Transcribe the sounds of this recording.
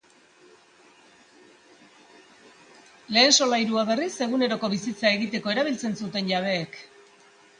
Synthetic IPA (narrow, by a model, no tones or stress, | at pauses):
le̞ːnso̞lajɾuaβe̞rise̞ɣune̞ɾo̞ko̞βisit͡sae̞ɣit̪e̞ko̞e̞ɾaβ̞ilt͡se̞nsut̪e̞nʝaβ̞e̞ːk